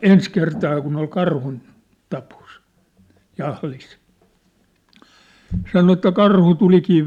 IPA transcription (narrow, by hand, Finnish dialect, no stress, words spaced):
ens kertɑː kun ol kɑrhun tɑpos jɑhlis sɑno etːæ kɑrhu tulikiː